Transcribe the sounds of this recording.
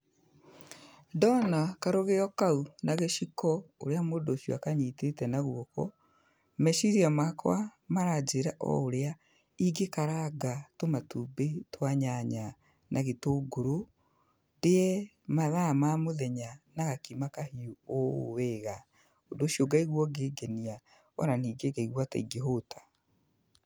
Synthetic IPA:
dɔnakaɾoɣeɔkaunaɣeʃikɔo̰ɾeamodoʃio̰akaɲitetɛnaɣwokɔ̰ | mɛʃiɾiamakwamaɾad͡ʒeɾaʔɔ̰oɾea | iɡekaɾaɡatomatubetwaɲaɲa | nʔaɣetoːɡoɾo | ndeɛ | maðamamoðɛɲanaɣakimakahiuowɛɣa | odoːʃioɡaiɣwɔɡeɡɛnia | ɔ̰naniːɡeɡaiɣwata̰iɡeɦotʰḁ

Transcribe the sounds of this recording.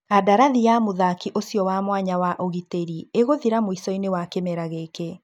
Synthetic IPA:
adaɾaðijamoðakiʔosjɔwamwaɲawaʔoɣiteɾieɣoðiɾamoisɔinewakemɛɾaɣeke

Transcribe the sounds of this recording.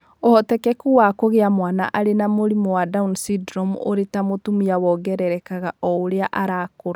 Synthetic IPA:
ɔɔtɛkɛkuwakoɣeamwana̰ʔaɾenamoɾimɔwadaunsidɾɔmo̰ɾetamotumiawɔɡɛɾɛɾɛkaɣaʔɔoɾeaʔaɾaːkoɾa

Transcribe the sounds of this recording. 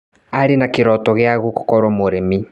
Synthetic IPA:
aɾenakeɾɔtɔɣeaɣuko̥kɔɾwamoɾemi

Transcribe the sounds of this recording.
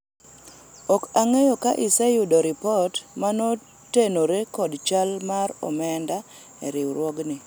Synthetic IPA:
ɔkaŋejokaʔɪsɛjʊdɔɾɪpɔtmano | tenoɾekɔdt͡ʃalmaɾɔ̰mɛnda | ɛ̰ɾɪwɾwɔɡnɪ

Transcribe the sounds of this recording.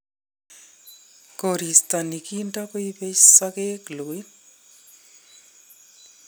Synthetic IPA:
koɾist̪anikintakoipeʃsakekloj

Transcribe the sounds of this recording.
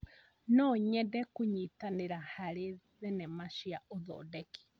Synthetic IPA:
nɔɲɛdɛkuɲitaneɾahaɾe | ðɛnɛmaʃiaoðɔ̰ːdɛki̥

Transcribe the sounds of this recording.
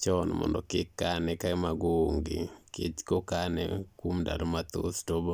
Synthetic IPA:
t͡ʃɔnmɔ̰ndɔkɪkːanɛkamaɡooŋɡḛket͡ʃkokanɛ̰kwomda̰ɾmat̪o̰stobo

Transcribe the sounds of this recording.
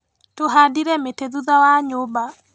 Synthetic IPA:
toɦadiɾɛmeteðuðawaɲoba

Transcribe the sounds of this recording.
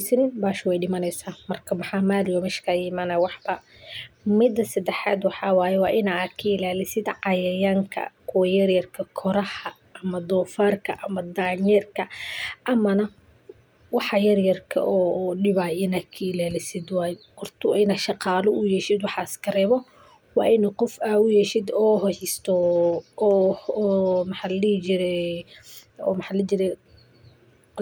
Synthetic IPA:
sɐnɪnbaːʃɐwɛjɖɪmɐnɛjsaːmɐrkʰɐmɐħɑːmaːljɔmɛʃkʰɐjɪmanɐwɑħbɐ | mɪd̪ɐsɐd̪ɛħa̰ːd̪wɑħɑːwaːjɛwɑːʔɪnakʰɐɪlaːlɪsɪd̪ʕɑjɐjaŋkʰɐ̰kʰʊwɐjɐrjɐrkʰɐkʰɔɾɐhɐ | ʔɐmɐd̪ɔːfarkʰɐʔɐmɐd̪aːɲjɛrkʰɐʔɐmɐnɐ | wɑħɑjɐrjɐrkʰɐ̰ʔɔːɗɪβaːjɪnɐkʰiɪlaːlɪsɪd̪wɑːj̪hɔrt̪ʰʊɪnɐʃɑqɑːlɔʊjɛːʃɪd̪wɑħɑskʰɐrɛːβɔ | wɑ̰ːɪnqɔfaːʊjɛʃɪd̪ɔːɦɔhɪst̪ʰɔ | mɐħɑlit͡ʃɪɾɛ | ɔ̰mɐħlɛt͡ʃɪɾɛ

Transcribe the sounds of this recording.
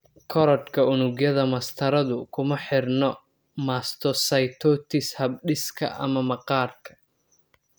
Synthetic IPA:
kʰɔɾɔd̪kʰɐʊnʊɡjɐðɐmɐst̪ʰɐɾɐðʊkʰʊmɐħɪrnɔ | maːst̪ʰɔsɐjt̪ʰɔːt̪ʰɪshɐb̚ɖɪskʰɐ̰ʔɐ̰mɐmɐqɑːrkʰɐ̥

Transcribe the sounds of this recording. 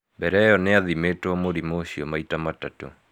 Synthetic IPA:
bɛɾɛjɔneaðimetoɔmoɾimoɕiɔmaitamatato̰

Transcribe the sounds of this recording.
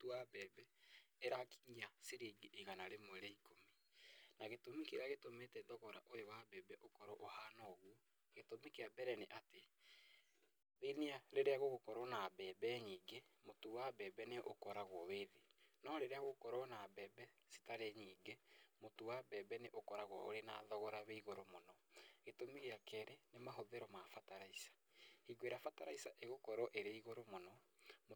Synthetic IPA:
towabɛːbɛeɾaki̥ŋaseɾeɡeʔeɣanaɾemoɾɛikomi | naɣetomikeɾeaɣetometɛðɔɣɔɾaʔojowabɛːbɛʔokɔɾɔʔohaːnɔɣwɔ | ɣetomekeabɛɾɛneʔate | ðeneaɾeɾeaɣoɣokɔɾɔnabɛbɛɲiːɡemotowabɛːbɛneʔokɔɾaɣwɔweðenɔɾeɾeaɣokɔɾɔnabɛːbɛ | si̥taɾeɲiːɡemotowabɛːbɛneʔokɔɾaɣwɔ̰o̰ɾenaðɔɣɔɾaβeiɣoɾomonɔɣetomeɣeakɛɾenemaɦoðɛɾɔmafataɾaisḁ | hiɡoeɾafataɾaisaʔeɣokɔɾɔʔeɾeaiɣoɾomonɔ | m

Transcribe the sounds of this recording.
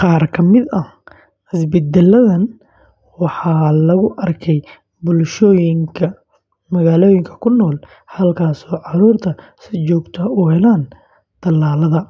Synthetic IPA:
qɑːrkʰɐmɪd̪ɐ | hɪsbɛd̪ɛlːɐðɐn | wɑħɑːlɐɣʊʔɐrkʰɛj | bʊlʃɔːjɪŋkʰɐ | mɐɣaːlɔːjɪŋkʰɐ̥kʰʊnːɔːl | hɐlkʰaːsɔːʕɑɾuːrt̪ʰɐ | sɪt͡ʃɔːɡt̪ʰɐuhɛlaːn | t̪ɐlːaːlɐðɐ

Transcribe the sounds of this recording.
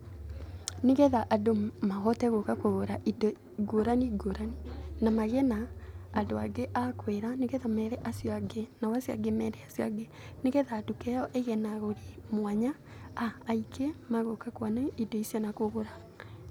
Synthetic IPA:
neɣɛðaʔadomaɣɔtɛɣokakoɣoɾaido | ɡoɾaniɡoɾaninamaɣɛnaːdoaɡeʔakweɾaneɣɛðamɛɾɛʔasjɔaɡenawasja̰ɡemɛɾɛasja̰ɡe | neɣɛðaːtukɛjɔʔeɣɛnaɣoɾimwaɲa | aːikemaɣokakwanaidoisjɔnakoɣoɾa

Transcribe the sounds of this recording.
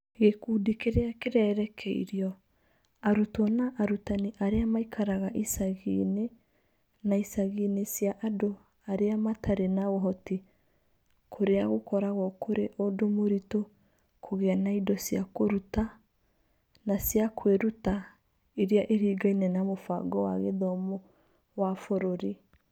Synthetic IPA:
ɣekuːdikeɾeakeɾɛɾɛkʰɛḭɾiɔ | aɾutɔnaʔaɾutaniʔaɾeamaikʰaɾaɣaʔisaɣḭne | naisaɣinesjaʔado | aɾeamatʰaɾenaɣɔɦɔti | kʰoɾeaɣokɔɾaɣɔkʰoɾeʔodomoɾito | kʰoɣeanaidɔsiakoɾuta | nasjakʰweɾuta | iɾiaʔiɾiːɡainɛnamofaɡɔwa̰ɣḛðɔmɔ | wafoɾoɾi

